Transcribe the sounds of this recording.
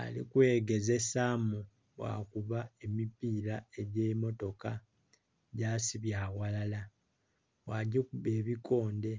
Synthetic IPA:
a̰lḭkwe̞ːɡe̞ze̞samu | βwa̰kuβae̞mipiːɾae̞ɟe̞ːmo̞to̞ka | ɟaːsiβjaːwalala | waɟikuβe̞ːβikʰo̞ːnde̞

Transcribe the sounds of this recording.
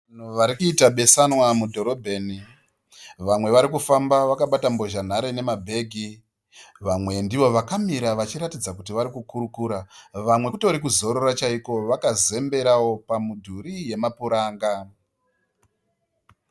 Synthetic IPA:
an̤uʋaɾikuitaɓe̞sanwamudʱo̞ɾo̞bʱe̞ːni | ʋamwe̞ʋaɾikufambaʋakaɓatambo̞ʒan̤aɾene̞mabʱe̞ːɡʱi | ʋamwe̞ndiʋo̞ʋakamiɾaʋat͡ʃiɾatid͡zakutiʋaɾikukuɾukuːɾaʋamwe̞utoɾikuzo̞ɾo̞rat͡ʃaiko̞ʋakaze̞mbe̞ɾawo̞pamudʱuɾije̞mapuɾaːŋɡa

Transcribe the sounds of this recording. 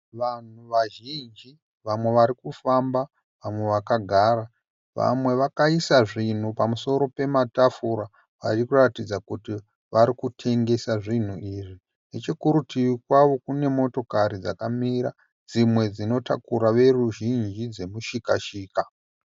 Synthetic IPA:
ʋan̤uʋaʒind͡ʒi | ʋamwe̞ʋaɾikufamba | ʋamwe̞ʋakaɡʱaɾa | ʋa̰mwe̞ʋakaisaʐin̤upamuso̞ɾo̞pe̞matafuɾa | ʋa̰t͡ʃikuratid͡zakuti | ʋaɾikutʰe̞ŋɡe̞saʐin̤uiʐi | ne̞t͡ʃekuɾutiʋikwaʋo̞kune̞mo̞to̞kaɾid͡zakamiɾa | d͡zimwe̞d͡zino̞ta̰kuɾaʋe̞ruʒind͡ʒid͡ze̞muʃikaʃiːka

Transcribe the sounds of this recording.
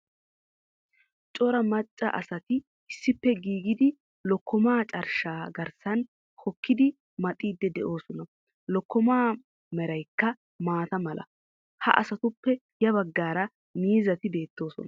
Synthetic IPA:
t͡ʃʼɔɾɐmɐt͡ʃʼːɐ̰ʔɐsɐt̪ɪ | ɪsːɪpːɛɡiːɡɪd̪ɪ | lɔkːɔmaːt͡ʃʼɐɾʃaːɡɐɾsɐn | hɔkːɪd̪ɪ | mɐt̪ʼiːd̪ːɛd̪ɛʔo̞ːsɔnɐ | lɔkːɔmaː | mɛɾɐjkːɐ | maːt̪ɐmɐlʔɐ̰ | hɐ̰ʔɐ̰sɐt̪ʊpːɛ | jɐβɐɡːaːɾɐ | miːzɐt̪ɪbe̞ːt̪ːo̞ːsɔ̰nɐ

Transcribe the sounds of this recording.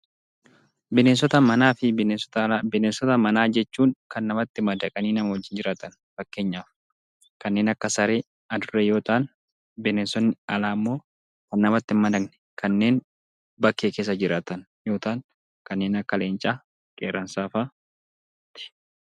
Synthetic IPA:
bɪneːns̬ɔt̪ɐmɐnaːfɪ | ɪneːnsɔt̪ɐmɐnaːd͡ʒɛt͡ʃːuːŋkɐnːɐmɐt̪ːɪmɐd̪ɐkʼɐniːnɐmɐwɔd͡ʒːɪnd͡ʒɪɾaːt̪ɐn | fɐkːe̞ːɲːaːf | kɐnːe̞ːnɐkːɐsɐɾe̞ː | ɐd̪ʊrːejo̞ːt̪aːn | bɪneːnsɔnːɪɐlaːmːo̞ː | kɐnːɐmɐt̪ːɪmɐd̪ɐknɛ̥ | kʰɐnːe̞ːn | bɐkːeːkeːs̬ːɐd͡ʒɪɾaːt̪ɐn | jo̞ːt̪aːŋ | kɐnːe̞ːnɐkːɐle̞ːnt͡ʃʼaː | kʼḛːɾːɐnsaːfaː | t̪ɪ̥

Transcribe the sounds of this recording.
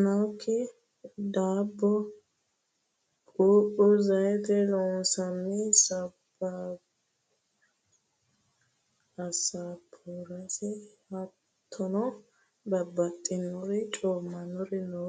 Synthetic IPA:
nɐwkʰːɪ | d̪aːbːɔ | kʼuːʔʊzɐjɛt̪ɛlɔsɐmːɪsɐb | a | ɐsapʰuɾɐsɛhɐ | t̪ʰːɔnɔ | bɐbːɐt̪ʼːɪnːɔɾɛt͡ʃʼoːmːɐnɔɾɛno

